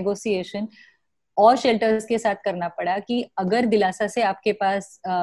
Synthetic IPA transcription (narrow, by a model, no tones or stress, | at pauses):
ɡoːsieːʃən | ɔːɾʃɛlʈəɾzkesaːt̪̚ʰkɐɾnapɐɽakiɐɡəɾd̪ɪlaːsaseaːp̚kepaːs